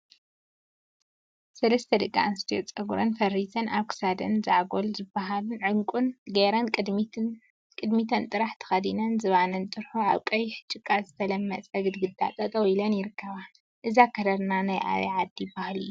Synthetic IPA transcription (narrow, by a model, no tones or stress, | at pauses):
sɐlɐst̪ʰɐd̪ɨɡa̰ʔnst̪ʰijot͡sʼɐɡuɾɐnfɐrizɐnaβkʰɨ̥sad̪ɐ̰nzaʕɡolzɨbːaɦalunʕɨŋkʷʼunɡeɾɐnʼd̪ | kʼɨd̪mit̪ʰɐnt̪ʼɨɾaħt̪ʰɐ̥xɐd̪inɐnzɨβanɐnt̪ʼɨɾħua̰βkʼɐjːħɨ̥t͡ʃʼːɨkʼːazɨt̪ʰɐlɐmːɐt͡sʼɐɡɨd̪ɡɨd̪ːa̰t̪ʼɐt̪ʼɐwilɐnjɪɾɨkʰːɐβa | ʔɨzakʰɐd̪ɐɾnanajʔa̰βḭʕad̪ːibahlɨ̰jːu